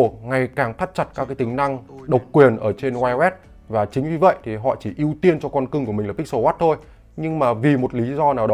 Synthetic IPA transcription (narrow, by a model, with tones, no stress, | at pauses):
ŋa˨˩jkaː˨˩ŋt̪ʰə˦˥t̚t͡ɕa˨˩t̚kaː˦˥kːaː˨˦jt̪ï˨˩ŋ̟na˧ŋɗə˨˩wk͡p̚kwi˨˩ənʔəː˧˩t͡ɕe˧nwaː˧jwɛ˦˥t̚ | vaː˨˩t͡ɕï˨˦ŋ̟vi˨˩və̰˧˨jt̪ʰi˨˩ɦɔ̰˧˨t͡ɕi˧˩ʔi˧əwt̪i˧ənt͡ɕɔ˧kɔ˧nkɨ˧ŋku˧˩əm˨˩ŋlːk̚so˧˦waː˦˥t̚t̪ʰo˧j | ɲɨ˧ŋmaː˨˩vi˨˩mo˨˩t̚li˨˦zɔ˧naː˨˩wɗɔ˨˦